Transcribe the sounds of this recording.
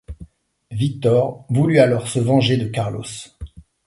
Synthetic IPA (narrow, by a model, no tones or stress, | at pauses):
vik̚t̪ɔʁvulyalɔʁsəvɑ̃ʒed̪əkaʁlɔ̰s